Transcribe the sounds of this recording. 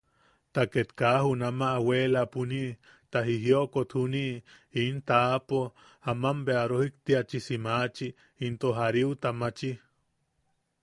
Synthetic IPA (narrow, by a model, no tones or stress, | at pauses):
t̪aket̪kaːhunamaʔːweːlapuniʔ | t̪aɦiɦjoʔkot̪huniʔ | int̪apo | amambeaɾohik̚t̪iat͡ʃisimaːt͡ʃi | int̪oɦaɾiwt̪amat͡ʃi